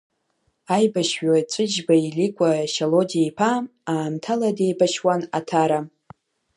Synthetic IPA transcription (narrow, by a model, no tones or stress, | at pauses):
ajbaʃɥajt͡ʃʷʼɨd͡ʒbailikʷʼaʃalodiaipʰaaːmtʰaladejbaʃwanatʰaɾa